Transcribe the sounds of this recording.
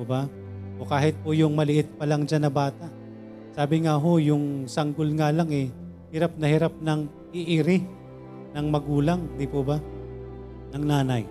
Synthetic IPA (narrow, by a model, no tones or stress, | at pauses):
oba | ʔo̞kaːɦɪt̪̚pʊjʊŋmɐlɪʔɪt̪̚pɐlɐŋd͡ʒanɐbaːt̪aʔ | saːbɪŋaɦo̞jʊŋsɐŋɡolŋalaŋɛ | hɪɾap̚nɐhɪɾap̚nɐŋ | ɪʔɪɾɪ | nɐŋmɐɡuːlaŋd̪ipoba | nɐŋnaːnaj